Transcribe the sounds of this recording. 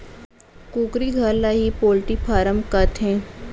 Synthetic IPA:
kũːkɾiɡʱəɾlaɦipoːlʈipʰaːɾəmkɐt̪ɦɛ̃ː

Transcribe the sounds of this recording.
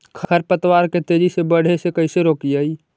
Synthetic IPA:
kʰəɾpət̪waɾket̪ed͡ʒisebəɽ̤esekəɪseɾoːkijəi

